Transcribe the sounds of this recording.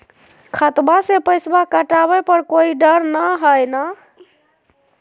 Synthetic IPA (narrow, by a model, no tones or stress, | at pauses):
kʰət̪basepəɪsbakəʈabɛpəɾkoiɖəɾnəɦəjna